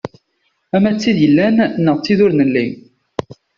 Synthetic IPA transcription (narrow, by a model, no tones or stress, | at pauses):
æmæt͡sːiðjəlːænnːəʁt͡sːiðʊɾnəlːim